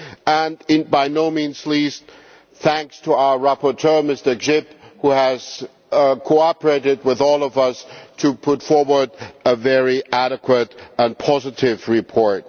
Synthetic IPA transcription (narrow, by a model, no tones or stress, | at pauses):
ə̃nɪbaɪnoʊmĩnzlist | θæ̃ŋkstʰəaʊə˞ɹæpə˞tʰɜ˞mɪstə˞d͡ʒɪphuɨz̥ | kʰoʊɑpə˞eɪɾɨd̚wɪðɔlˠʌvʌstʰɨpʰʊtfɔɹwə˞dəvɛɹiʔæɾɨkʰwəɾə̃npʰɑzɨɾɪvɹɪpʰɔɹt̚